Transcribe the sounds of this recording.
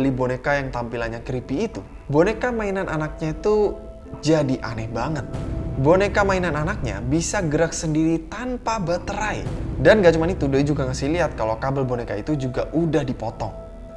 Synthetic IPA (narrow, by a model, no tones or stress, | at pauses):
libonekajaŋt̪ampilanɲaŋkɾipiːt̪u | bonekamainanʔanak̚ɲait̪u | d͡ʒadiʔa̰nɛhbaŋət̪̚bonekamainananak̚ɲa̰bisaɡəɾak̚səndiɾit̪ampabat̪əɾajdanɡat͡ʃumanit̪udojd͡ʒuɡaŋasɪhliɦat̪̚kalokabəlbonekait̪ud͡ʒuɡaʔudahdipɔt̪ɔŋ